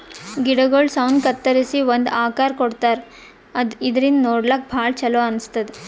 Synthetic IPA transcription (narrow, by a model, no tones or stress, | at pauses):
ɡiɽɐɡoːɭsɐwnkɐt̪ːɐɾisiʋond̪aːkaːɾkoɽt̪aːɾ | ɐd̪id̪ɐɾind̪noːɖlak̚bʱaːɭt͡ʃɐloɐnst̪ɐd̪e